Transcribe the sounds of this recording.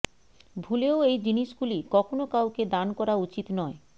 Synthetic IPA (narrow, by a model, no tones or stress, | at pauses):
bʱuleoejd͡ʑiniʃɡulikɔkʰonokawked̪ankɔɾaut͡ɕit̪nɔe